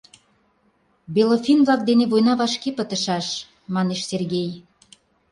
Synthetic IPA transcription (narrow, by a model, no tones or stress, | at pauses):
belofinβlɑk̚d̪eneβojnɑβɑʃkepə̆t̪ə̆ʃɑʃ | mɑneʃserɣej